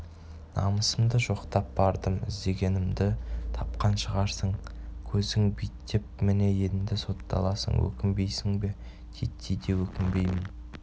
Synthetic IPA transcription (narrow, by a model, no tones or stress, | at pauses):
nɑ̰məsəmd̪əʒo̞qt̪ɑp̚bɑɾd̪əmɪ̰zd̪e̞ɡʲe̞nɪmd̪ɪt̪ʰɑp̚qɑnʃəʁɑɾsəɴkʲʰɵzɪŋbijt̪ːep̚mɪne̞je̞d̪ɪmd̪ɪso̞t̪ːɑ̰lˠɑsə̰ŋwɵ̰kʲɪmbe̞jsɪŋbe̞ | t̪ʲʰet̪ʰːijd̪e̞wɵkʲɪmbe̞jmɪn